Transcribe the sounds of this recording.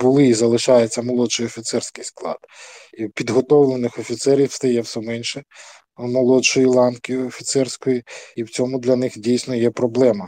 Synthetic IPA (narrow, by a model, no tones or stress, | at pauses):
bʊlˠɪzɐlˠɪʃɑjet͡sʲːɐmɔlˠɔt͡ʃɪjɔfʲit̪sɛrsʲkɪjsklˠɑ̰d̪̥iwpʲid̪ɦɔt̪ɔwlˠenɪxɔfʲit̪sɛɾʲiwst̪ɐjɛwsɛmɛnʲʃɛ | mɔlˠɔt͡ʃɔjilˠɑnkʲijʊɔfʲit̪sɛrsʲkɔjiiwt͡sʲɔmʊd̪lʲɐnɪxdʲijsʲnɔjɛpɾɔblˠɛmɐ